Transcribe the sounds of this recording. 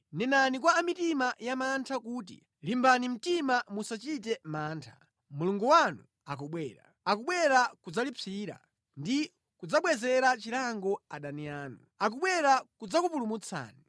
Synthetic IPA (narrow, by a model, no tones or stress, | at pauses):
nɛnanikwaːmitimajamantʰakuːt̬ḭ | limbanim̩timamusat͡ʃit̬ɛmaːntʰḁ | muluŋɡɔwanṵ | ak̬ɔɓwɛːɾa̰ | akuɓwɛɾakud͡zalip͡fʰiːɾa̰ | ndi | kud͡zaɓwɛzɛɾat͡ʃiɾaŋɡɔaɗaniaːnu | ak̬uɓwɛɾakud͡zakupulumut͡sʰa̰ːni